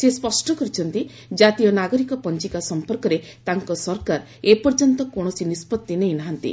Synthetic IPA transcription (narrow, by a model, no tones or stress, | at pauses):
sespɔsʈɔkɔɾit͡ʃʰɔnt̪i | d͡ʒat̪ijɔnaɡɔɾikɔpɔnt͡ʃikasɔmpɔɾkɔɾe | t̪aŋkɔsɔɾkaɾ | epɔɾd͡ʒɔnt̪ɔkoɽ̃ɔsinispɔt̪ːinej̃naɦant̪ḭ